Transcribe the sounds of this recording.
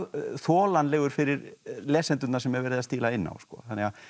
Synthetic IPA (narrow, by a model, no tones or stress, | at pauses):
θɔːlanlɛːɣʏɾ̥fɪɾɪɾlɛːsɛnt̪ʏnaɾsɛmːɛɾvɛːɾɪðast̪iːlaɪnːa̰wskɔːθanːɛɣa